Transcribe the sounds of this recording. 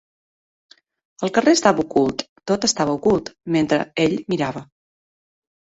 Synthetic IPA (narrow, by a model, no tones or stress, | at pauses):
əlˠkəreəst̪aβəukulˠt̪ːot̪əst̪aβəukulˠt̪ment̪ɾə̰eʎmiɾaβə